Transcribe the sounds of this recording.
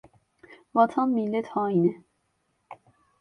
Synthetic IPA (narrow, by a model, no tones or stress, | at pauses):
vɑt͡s̪ʰɑnmilɛt̪ʰhɑinɛ